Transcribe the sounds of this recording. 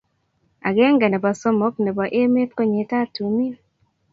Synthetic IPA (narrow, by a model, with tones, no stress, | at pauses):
a̰˨ɡɛ˦ŋɡa˨nɛ˨ba˨sɔ˦mɔ˨˦k̚nɛ˨ba˨ʔe˦me˦pko˦ɲe˨˦ta˦tu˨mi˦